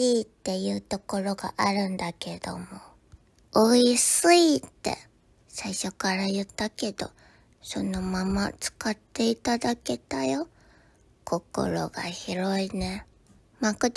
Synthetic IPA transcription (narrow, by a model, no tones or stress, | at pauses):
iːt̪ːe̞jɯ̟ːt̪o̞ko̞ɾo̞ɡa̰ʔaɾɯ̟̃nd̪ake̞d̪o̞̰mo̞ | oisɨit̪ːe̞̰ | saiɕo̞kaɾajɯ̟t̪ːake̞d̪o̞̰ | so̞no̞mamat͡sɨ̥kat̪ːe̞it̪ad̪ake̞t̪ajo̞ | kʰo̞ko̞̰ɾo̞̰ɡa̰çiɾo̞ine̞ | makɯ̟t̪